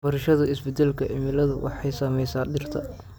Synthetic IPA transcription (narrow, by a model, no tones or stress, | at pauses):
bɐɾɪʃɐðʊɪsbɪd̪ɛlkʰɐʔɪmɪlɐðʊwɑ̰ħɑjsaːmɛjsaːɖɪrt̪ʰɐ̰